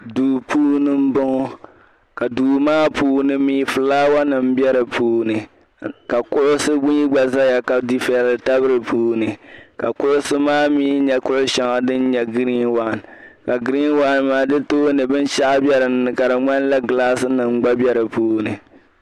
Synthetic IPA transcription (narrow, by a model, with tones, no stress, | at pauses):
duː˨pʰuː˦nɨ˦m̩˦bɔ˦ŋɔ˦ | ka˨duː˨maː˦puː˦nɨ˨miː˦fɨ˨laː˦wa˦nɨ˨m˦bɛ˦ɾɨ˨pʰuː˦nɨ˨ | ka˨kʊ˦ʔʊ˦sɨ˦ɡ͡bʊ˦ɲi˦ɡ͡ba˨za˦ja˨ka˨di˦fɛ˨lɨ˨ta˦bɨ˦ɾɨ˨puː˦nɨ˨ka˨kʊ˦ʔʊ˦sɨ˦maː˦miː˦ɲɛ˨kʊ˦ʔʊ˦ʃɛ˨ŋa˨dɨ˦n˦ɲɛ˨ɡɨ˦ɾi˦wa˨n˨ | ka˨ɡɨ˦ɾi˦n˦wa˦n˨maː˦dɨ˦toː˦nɨ˨bɨ˦n˦ʃa˦ʔa˦bjɛ˦ɾɨ˨n˨ɨ˨ka˨ɾɨ˨ŋ͡ma˦n˦la˦ɡɨ˨laː˦sɨ˦nɨ˨m˦ɡ͡ba˦bɛ˦ɾɨ˨puː˦nɨ˨